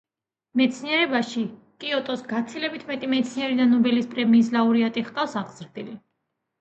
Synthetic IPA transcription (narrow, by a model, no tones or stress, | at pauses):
mɛt̪sʰniɛɾɛbaʃi | kʼiɔt̪ʼɔsɡat̪sʰilɛbit̪ʰmɛt̪ʼimɛt̪sʰniɛɾid̪anɔbɛlispʼɾɛmiːslauɾiat̪ʼiχqʼafsaʁzɾd̪ili